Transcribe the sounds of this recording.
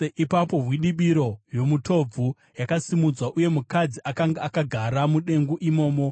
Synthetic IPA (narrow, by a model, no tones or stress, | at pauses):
ʔipapo̞ɦwiɗiɓiɾo̞jo̞mutʰo̞b͡vʱu | jakasimud͡zwaʔuje̞mukad͡ziʔakaŋɡaakaɡʱaɾamuɗe̞ŋɡuʔimo̞ːmo̞